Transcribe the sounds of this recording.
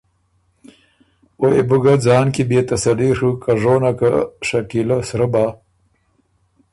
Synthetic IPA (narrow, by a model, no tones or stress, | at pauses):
oebuɡad͡zɑːnkibeːt̪ɐsɐliʂukaʐoːnakaʂɐkilasɾəbaː